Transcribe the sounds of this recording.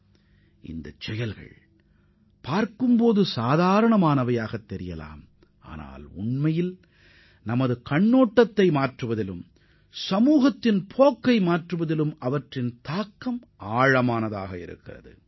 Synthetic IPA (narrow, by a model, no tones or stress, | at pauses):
ʔɪ̰nd̪ɐ̰t͡ʃːɛjɐlɣɐ̰ɭ | paːɾkɯmpoːðɯsaːðaːɾɐɳɐmaːnɐʋɐjaːɣɐt̪ːɛɾɪjɐla̰ːm | ʔa̰ːna̰ːlʊ̰ɳmɐjɪl | nɐmɐðɯkɐɳːoːʈːɐt̪ːɐɪmaːʈrɯʋɐðɪlɯm | sɐmuːɣɐt̪ːɪnpʰoːkːɐɪmaːʈrɯʋɐðɪlɯmɐʋɐʈrɪnt̪aːkːɐm | aːɻɐmaːnɐða̰ːɣɐɪ̰ɾɯ̰kːɪ̰rɐðɯ̰